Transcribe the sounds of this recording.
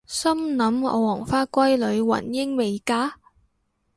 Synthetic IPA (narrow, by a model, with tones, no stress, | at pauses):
sɐ˥mnɐ˨˥mɔ̰˨˧wɔː˨˩ŋfaː˥kʷɐ˥jlɵ˨˧ɥwɐ̰˨˩njɪ˥ŋme˨jkaː˥